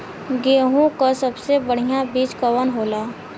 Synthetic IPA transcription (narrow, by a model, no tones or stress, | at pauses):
ɡeːɦũkasɐbsebəɽ̤ijabiːt͡ʃkəwənɦoːlaː